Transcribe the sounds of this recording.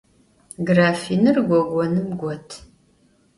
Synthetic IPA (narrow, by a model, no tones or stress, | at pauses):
ɡraːfiːnɨrɡʷɔɡʷɔnɨmɡʷɔtʰ